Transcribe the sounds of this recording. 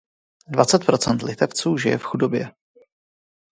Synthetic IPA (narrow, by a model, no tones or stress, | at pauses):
dvat͡sɛt̪̚pɾo̞t͡sɛnt̪lɪt̪ɛft͡suːʒɪjɛ̰fxudo̞bjɛ